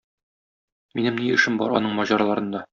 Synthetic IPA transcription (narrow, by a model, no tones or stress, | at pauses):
minɘmniɘ̆ʃɘmbɒ̰ɾɒ̰nɤɴmɒʑɑɾɑlˠɑɾɤ̆nd̪ɑ